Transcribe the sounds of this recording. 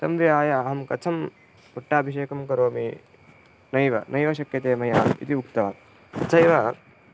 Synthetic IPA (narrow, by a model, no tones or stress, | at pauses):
t̪ɐmʋiaːjɐːɦɐmkɐt͡ʃʰɐm | puʈːaːbʱiʃeːkɐmkɐɾoːmi | nɐjʋɐnɐjʋɐʃɐkjɐt̪eːmɐjaːḭt̪iukt̪ɐʋɐ | ɐt͡ʃʰɐjʋɐ